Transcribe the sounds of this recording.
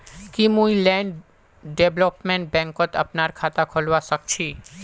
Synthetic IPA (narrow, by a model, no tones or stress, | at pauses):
kimũilɛ̃ːɳɖ | ɖeblopmẽɳʈ̚bɛ̃ːŋkot̪ə̰pnaːɾkʰaːt̪akʰolʋasək̚t͡ʃʰi